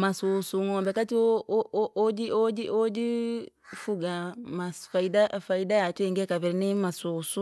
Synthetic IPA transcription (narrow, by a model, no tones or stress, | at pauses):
masusuŋɔːmbɛkatiood͡ʒiod͡ʒiʔod͡ʒi | fuɡamasfaidafaidajatweːŋɡɛkaβɛɾinimasusu